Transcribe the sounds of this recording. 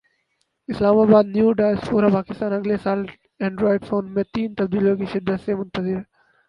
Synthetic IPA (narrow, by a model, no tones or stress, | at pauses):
ɪslaːmaːbaːd̪njuːɖaːspuːɾapaːkɪst̪aːnɐɡlesaːl | ɛ̃ːɳɖɾoːɪɖfoːnmẽt̪iːnt̪ɐbd̪iːljõkiʃɪd̪ːət̪semʊ̃nt̪əzɪɾ